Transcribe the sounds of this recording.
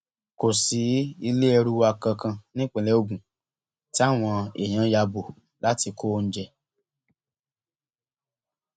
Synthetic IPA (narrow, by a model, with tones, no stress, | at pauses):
ko˨si˨˦i˧le˦ɛ˧ɾu˦wa˧kã˧kã˧nĩ˦k͡pĩ˧˨lɛ˦o˦˧˨bũ˨ | ti˦a˦˨w̃ɔ̃˧ḛ˨j̃ã˨˦ja˧bo˨ | la˦ti˧kʰo˦˧n̩˦d͡ʒɛ˧